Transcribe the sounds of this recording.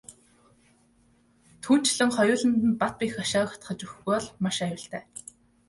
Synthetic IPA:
t̪ʰuːn̥t͡ɕɮə̆ŋχɔjʊːɮə̆nt̪ɘ̆npat̪̚piːxaʃaːw̆xḁt̪χə̆t͡ɕuxɣɔːɮmaʃæjʊɬt̪æː

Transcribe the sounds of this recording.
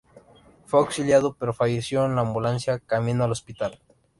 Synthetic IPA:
feawksiljaðopeɾofaʝesjoenlaːmbulansjakamĩnoalospit̪al

